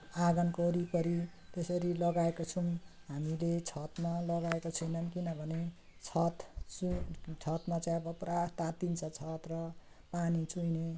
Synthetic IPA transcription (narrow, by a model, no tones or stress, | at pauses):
aɡʌnkoɾipʌɾit̪esʌɾilʌɡaekot͡sʰunɦamilet͡sʰʌt̪malʌɡaekot͡sʰʌjnʌnkinʌbʱʌne | t͡sʰʌt̪t͡sut͡sʰʌt̪mat͡saj̃ʌbʌprat̪at̪int͡sʰʌt͡sʰʌt̪rʌ | panit͡sujne